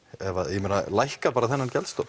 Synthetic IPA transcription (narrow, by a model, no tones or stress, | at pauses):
ɛvajɛmɛnalajhkapaːɾaθɛnːancɛlst̪ow